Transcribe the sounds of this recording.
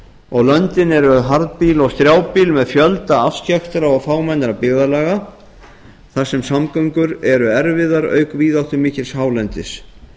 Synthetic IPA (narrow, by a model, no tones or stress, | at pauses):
ɔɣlœnt̪ɪnɛɾʏɦaɾðpiːlɔɣst̪ɾjaːwpilmɛðfjœlt̪aafscaxt̪ɪɾaɔɣfaːwmajnɪɾapɪɣðalaɣa | θasɛmsamkœɥŋkʏɾɛɾʏɛɾvɪðaɾœ̰ːɥkviːðawt̪θʏmɪːcɪlshaːwlɛnt̪ɪs